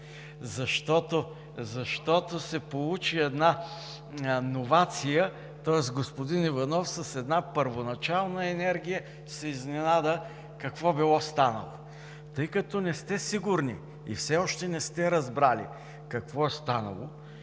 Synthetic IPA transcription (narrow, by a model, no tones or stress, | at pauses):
zɐʃt̪ɔt̪o | zɐʃt̪ɔt̪osɛpolˠut͡ʃiɛd̪na | novat̪sijə | t̪ɔɛsɡospod̪inivɐnɔfsɐsɛd̪napəɾvonɐt͡ʃalˠnəɛnɛɾɡʲijə | sɛiznɛnad̪ə | kɐkvɔbilˠɔst̪anə̰lˠo | t̪ɤjkɐt̪ɔnɛst̪ɛsiɡʊɾnḭ | ḭfsɛɔʃt̪ɛnɛst̪ɛɾɐzbɾalḭ | kɐkvɔɛst̪anɐ̰lˠo̰